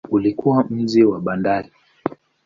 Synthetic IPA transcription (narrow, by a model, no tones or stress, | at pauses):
ulikuwam̩d͡ʒɛwaɓandaɾi